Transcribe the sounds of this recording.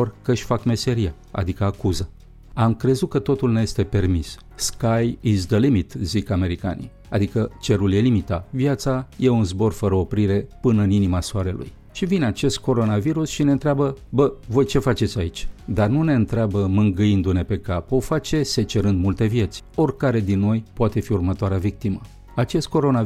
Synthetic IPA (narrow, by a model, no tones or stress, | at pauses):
orkəʃʲfakme̞se̞ɾija | a̰d̪ikəakuzə | amkɾe̞zut̪̚kət̪o̞t̪ulnejest̪e̞pe̞rmis | skajizd̪əlimit̪zikame̞ɾika̰nḭ | ad̪ikət͡ʃe̞ɾulje̞limit̪aviat̪saje̞unzbo̞rfəɾəo̞pɾiɾe̞pɨnɨninimasuaɾe̞lṵj | ʃivineat͡ʃe̞st̪̚ko̞ɾo̞naviɾusʃine̞ɨnt̪ɾeabəbəvo̞jt͡ʃe̞fat͡ʃe̞t̪sʲait͡ʃʲd̪arnune̞ɨnt̪ɾeabəmɨŋɡɨjind̪une̞pe̞kapo̞fat͡ʃe̞se̞t͡ʃe̞ɾɨnd̪mult̪e̞vje̞t̪sʲo̞rʲkaɾe̞d̪inːo̞jpoat̪e̞fiurmət̪oaɾeavik̚t̪imə | at͡ʃe̞st̪̚ko̞ɾo̞na